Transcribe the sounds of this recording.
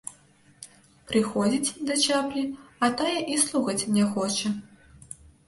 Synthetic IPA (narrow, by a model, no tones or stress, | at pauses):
pɾɨxɔd͡zʲit͡sʲd̪ɐt͡ʃʲaplʲiɐt̪ajɛʔislˠuxɐt͡sʲnʲɛxɔt͡ʂɐ